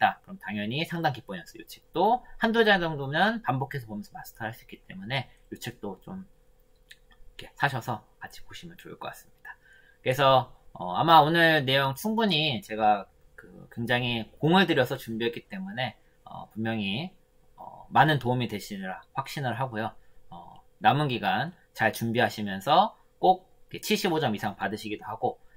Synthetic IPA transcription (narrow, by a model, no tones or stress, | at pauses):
t͈akɯɾʌmtaŋjʌɲisʰaŋdaŋkip͈uɲʌs͈ʌjut͡ɕʰi̥k̚t͈ohandod͡ʑad͡ʑʌŋdomjʌnpambokʰe̞sʰʌpomjʌnsʰʌmasɯ̥tʰʌaɭs͈uik͈it͈e̞̰mune̞jut͡ɕʰik̚t͈ot͡ɕom | ikʰe̞sʰaɕʰʌsʰʌkat͡ɕʰi̥poɕʰimjʌnt͡ɕoɯɭk͈ʌk͈as͈ɯ̥mɲid̥a | kɯe̞sʰʌʌ̰amaonɯɭne̞joŋt͡ɕʰuŋbuɲit͡ɕe̞ɡa | kɯ̰kwe̞ŋd͡ʑaŋikoŋɯɭdɯɾjʌsʰʌt͡ɕumbiɦet̚k͈it͈e̞mune̞ | ʌ̰pummjʌŋi | ʌ̰manɯntoumidwe̞ɕʰinɾaɸwak̚ɕ͈inɯɭɦaɡojoʌ̰ | namunɡiɡan | t͡ɕaɭt͡ɕumbiɦaɕʰimjʌnsʰʌ | k͈ok̚kʰe̞t͡ɕʰiɭɕ͈ibod͡ʑʌmisʰaŋpadɯɕʰiɡidohaɡo